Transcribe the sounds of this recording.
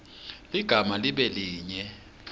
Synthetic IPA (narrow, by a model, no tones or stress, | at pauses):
liɡ̥ʱamaliɓɛliːɲɛ